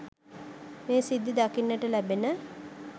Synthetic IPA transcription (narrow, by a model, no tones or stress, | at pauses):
meːsid̪ːid̪akinːəʈəlæbenə